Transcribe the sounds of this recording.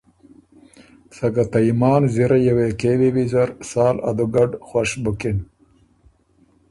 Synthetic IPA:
sɐɡat̪aimɑːnziɾajaweːkeːwiwizɐɾsɑːla̰d̪uɡaɖxwaʂbukin

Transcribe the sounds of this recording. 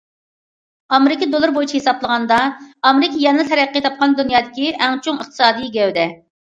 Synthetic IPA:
ɑmeɾɪkʲid̪olˠɨɾbojit͡ʃʰihesɑblˠəʁɑnd̪ɑɑmeɾɪkʰʲijɛnɨnɨt̪ʰɛɾɛqːit̪ʰɑp̚qɑnd̪unjɑːd̪ɪkʲiʔɛŋt͡ʃʰoŋəχt̪ʰɨ̥sɑːd̪ijiɡʲɛwd̪ɛ

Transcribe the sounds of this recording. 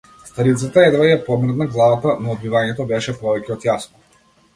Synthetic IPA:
st̪aɾit̪sat̪aɛd̪vaijɛpɔmr̩t̪naɡlˠavat̪anɔːd̪mivaɲɛt̪ɔbɛʃɛpɔvɛcɛɔt̪jasnɔ

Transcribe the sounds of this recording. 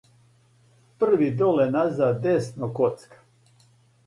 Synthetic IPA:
pr̩ʋid̪olenazad̪esnokot̪skḁ

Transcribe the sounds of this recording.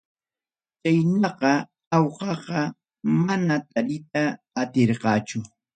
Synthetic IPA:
t͡ʃajnɑqɑ | awqɑqɑ | manat̪alɪt̪aː | t̪eɾqɑːt͡ʃʊ

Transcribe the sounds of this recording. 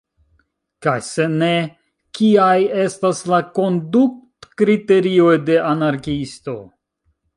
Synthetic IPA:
kajse̞ne̞ | kiaje̞staslako̞nduk̚tkɾite̞ɾio̞jde̞ʔanaɾkisto̞̰

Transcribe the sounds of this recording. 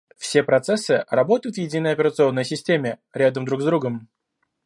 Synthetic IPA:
fsʲe̞pɾɐt̪sɛsːɨrɐbo̞t̪əjʊt̪vjɪdʲinəjɐpʲɪɾət̪sɨo̞nːəjsʲɪsʲtʲemʲɪɾʲad̪əmd̪ɾuɡzd̪ɾuɡəm

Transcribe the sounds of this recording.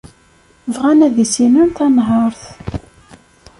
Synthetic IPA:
vʁænæðisinunθɑnɦəɾˤθ

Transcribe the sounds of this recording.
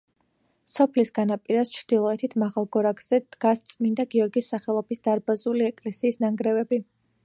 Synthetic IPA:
sɔpʰlisɡanapʼiɾast͡ʃʰɾd̪̥ilˠɔɛt̪ʰit̪ʰmaʁalˠɡɔɾaɡz̥ɛd̪̥ɡ̥ast̪sʼmind̪aɡiɔɾɡisːaχɛlˠɔbisd̪̥aɾbazuliɛkʼlɛsiːsnaŋɡɾɛvɛbi

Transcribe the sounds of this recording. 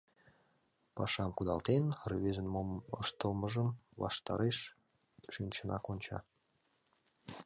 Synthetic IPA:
pɑʃɑmkud̪ɑlt̪enryβezənmomə̰ʃt̪əlməʒəmβɑ̰ʃt̪ɑ̰ɾeʃ | ʃynʲt͡ɕənɑkonʲt͡ɕɑ̰

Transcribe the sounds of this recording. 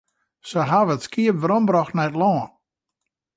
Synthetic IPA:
səɦaʋəətskiəpʋəɾɔmbɾɔxtnɛtlɔːn

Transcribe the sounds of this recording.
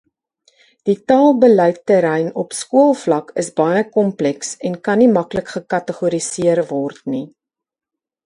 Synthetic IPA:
d̥itɑːlˠbəlœjtːəɾɛjnɔpskuəlˠflɐkəsbɐjəkɔmplɛksɛnkɐnimɐkləkχəkɐtəχuəɾisiərvɔrtni

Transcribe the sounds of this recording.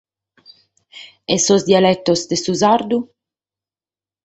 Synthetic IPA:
ɛsozd̪ialɛt̪ːosd̪esuzaɾd̪u

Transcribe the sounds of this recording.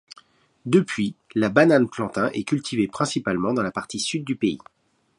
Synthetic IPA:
d̪əpʰɥilabananplɑ̃t̪ɛ̃ʔɛkʲylt̪ʰivepχɛ̃sipalmɑ̃d̪ɑ̃lapaʁt̪isyd̪̚ːypeḭ

